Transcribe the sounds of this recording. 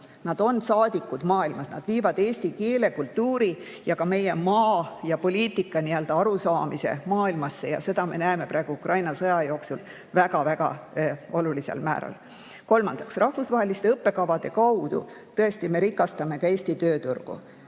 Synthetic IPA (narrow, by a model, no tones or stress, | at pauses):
nɑd̪̥o̞nsɑːd̪̥ikːˑud̪mɑːilmɑsnɑ̰d̪̥viːvɑd̪̥eːsʲt̪ikeːle̞kult̪ːuːɾi | jɑkɑme̞jemɑːjɑpo̞lʲiːt̪ːˑikːˑɑniø̞ld̪ɑɑɾusɑːmise̞̰mɑːilmɑsːe̞jɑ̰se̞d̪̥ɑme̞̰næeme̞pɾæeɡ̥uukrɑjnɑsɤjɑjo̞ːksul | væɡ̥ɑvæɡ̥ɑ̰o̞lulise̞̰lmæ̰ːɾɑ̰l | ko̞lmɑnd̪̥ɑksrʔɑhfusvɑɦe̞list̪eɤpːe̞kɑvɑd̪̥e̞kɑwd̪̥ṵ | t̪ɤe̞st̪ime̞ɾikːˑɑst̪ɑme̞kɑe̞ːsʲt̪it̪ø̞ːt̪urɡ̥ṵ